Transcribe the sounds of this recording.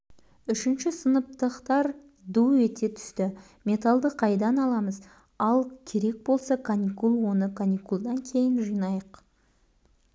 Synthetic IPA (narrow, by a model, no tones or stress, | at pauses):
ʏʃɪnʃɪsənəp̚t̪əqt̪ɑɾ | d̪uwet̪e̞t̪ʰʏ̥st̪ɪ | mʲe̞t̪alˠd̪əqʰɑjd̪ɑnɑlˠɑməz | ɑlˠkʲʰe̞ɾe̞k̚bo̞lˠsɑkʰanʲikulˠwo̞nəkʰanʲikulˠd̪ɑŋkʲʰe̞jɪnʒijnɑjəq